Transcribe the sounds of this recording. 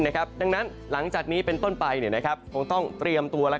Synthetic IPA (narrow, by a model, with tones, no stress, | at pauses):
na˥˩kʰa˦˥p̚da˧ŋna˦˥n | la˩˦ŋt͡ɕaː˨˩k̚niː˦˥pe˧nt̪o˥˩npa˧jni˥˩na˦˥kʰa˦˥p̚kʰo˧ŋt̪ɔ˥˩ŋt̪ɾi˧əmt̪u˧ɐla˦˥